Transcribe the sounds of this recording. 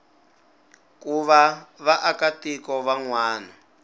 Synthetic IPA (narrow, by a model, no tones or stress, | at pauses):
kuβaβaʔakatikɔβaŋwaːnɔ